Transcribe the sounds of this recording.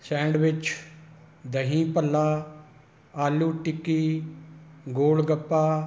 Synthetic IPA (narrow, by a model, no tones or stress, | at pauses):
sɛ̃ːɳɖʋɪt͡ʃ | d̪əɦĩːpəlːaː | aːluːʈɪkːiː | ɡoːlɡəpːaː